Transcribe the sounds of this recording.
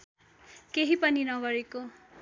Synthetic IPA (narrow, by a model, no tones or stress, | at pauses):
keɦipʌninʌɡʌɾeko